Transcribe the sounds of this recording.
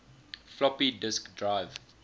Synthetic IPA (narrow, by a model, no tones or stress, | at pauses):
flɔpidɪskdɹaɪv